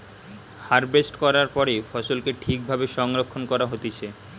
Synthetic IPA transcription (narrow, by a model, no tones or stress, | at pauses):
haɾbesʈkɔɾaɾpɔɾefɔsolkeʈʰik̚bʱabeʃɔŋɾokʰːonkɔɾaɦot̪et͡ɕʰe